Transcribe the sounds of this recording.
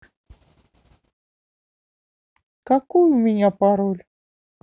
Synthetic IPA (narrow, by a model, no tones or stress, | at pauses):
kakʊjmɪɲapaɾʊl